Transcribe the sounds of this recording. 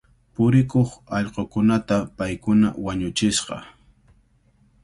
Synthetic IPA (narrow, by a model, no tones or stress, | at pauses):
pʊɾɪkoχɑʎqokʊnat̪apajkʊna̰waɲʊt͡ʃɪsqɑ̰